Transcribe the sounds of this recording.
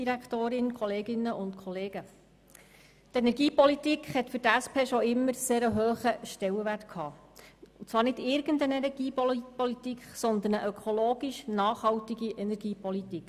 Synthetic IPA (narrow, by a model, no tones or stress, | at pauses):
iɾækχt̪oːɾɪnkʰɔleːɡɪnːəʊntkʰɔleːɡ̥ə | tɛnɛɾɡiːpɔlitikχhɛt̪fʏɾtæspʰeːʃɔɪmːəɾseːɾəɦøːχəʃtɛwəʋærtkʰɑːʊt͡sʋɑːɾnɪdɪɾɡəndənɛnɛɡiːpɔlit̪ikχsɔnd̪ənəʔøœkʰɔloːɡiʃnɑːχhɑwtiɡiʔɛnɛɾɡ̥iːpɔlit̪ik